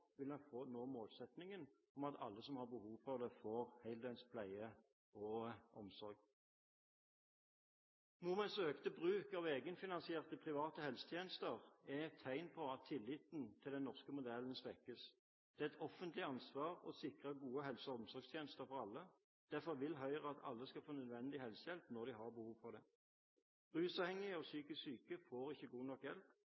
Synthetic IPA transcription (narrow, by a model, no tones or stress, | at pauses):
ʋɪlɑnfoːnoːmoːlsɛt̪nɪŋən | ɔmɑt̪ʰɑ̰lːəsɔmhɑʁbəhuːʋfɔʋd̪ɛfoːʁhæɪld̪ɛnspʰlæɪə | ɔʔɔmsɔɾɡ | nɔmɛnsøːkt̪əbʁʉːkɑʋeːɡənfɪnɑnsɪeːʁt̪əpʰʁɪʋɑːt̪əhɛlsə̥t̪ʰjeːnəst̪əʁɛt̪ʰːæɪnpʰɔɑt̪ʰːɪlːɪːt̪n̩t̪ʰɪld̪ɛnɔʁskəmʊd̪ɛlən̩sʋɛkːəs | d̪̥ɛːɛt̪ʰɔfənt̪lɪɑnsʋɑːʁɔ̰sɪkʁəɡuːəɦɛlsɔɔmsɔɾɡst̪ʰjeːnəst̪əɾfɔʁɑlːə | d̪̥æfɔʁʋɪlɦœʏʁəɑt̪ʰɑ̰lːəskɑfoːnœd̪ʋɛnd̪ɪhɛlsəjɛlpnɔʁd̪ɪɦɑʁbəhuːʋpʰɔd̪ɛ̥ | ʁʉːsɑːʋhɛŋɪɔsyːkəsyːkəfoːʁɪçːəɡuːnɔkjɛlp